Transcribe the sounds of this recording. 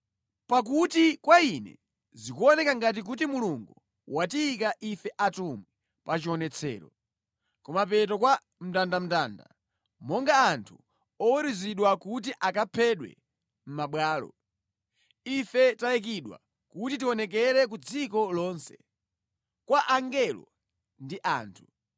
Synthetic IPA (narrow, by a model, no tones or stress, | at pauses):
pak̬utikwainɛ̰ | zikuɔnɛkaŋɡat̬ik̬ut̬imuluŋɡu | watiːkaʔifɛʔatumwɛ | pat͡ʃiɔnɛt͡sʰɛ̰ːɾɔ̰ | kɔmap̬ɛt̬ɔkwa | m̩tandam̩taːnda̰ | mɔŋɡaːntʰu | ɔwiɾiziɗwakut̬iʔakapʰɛɗwɛ̰ | m̩maɓwaːlɔ̰ | ifɛtajɛk̬iɗwa̰ | kutit̬iɔnɛk̬ɛɾɛk̬ud͡zikɔlɔːnsɛ̥̰ | kwaʔaŋɡɛlɔ̰ | ndiʔaːntʰu